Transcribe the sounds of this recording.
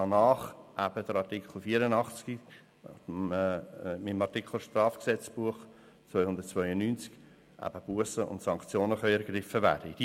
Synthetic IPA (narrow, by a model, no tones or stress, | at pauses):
ɑnɑːχʔæb̥əd̥əɾɑtikχl̩ˠfiːəɾənɑχt͡ski | mɪmɑɾtikʰl̩ʃt̪rɑːfksɛt͡sb̥uəχ | t͡svœʏhʊnd̪ət̚t͡svœʏənyːnt͡sk | ʔæ̰b̥əb̥uəsəʊ̰ntsɑŋkt͡sjoːnəχœʏɛɾɡrɪfəvæ̰ːɾd̥əid̥iː